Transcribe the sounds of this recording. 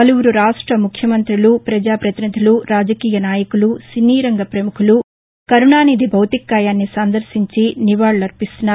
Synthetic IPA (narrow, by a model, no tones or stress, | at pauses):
ɐluwuɾuɾaːʂʈɾɐmukʰjɐmɐnt̪ɾilupɾɐd͡ʒaːpɾɐt̪inid̪ʱiluɾaːd͡ʒɐkiːjɐnaːjɐkulusiniːɾɐŋɡɐpɾɐmukʰulu | kɐɾuɳaːniːd̪ibʱɐwt̪ikːaːjaːnːisɐnd̪ɐɾsiɲt͡ʃiniʋaːɭlɐɾpist̪unːa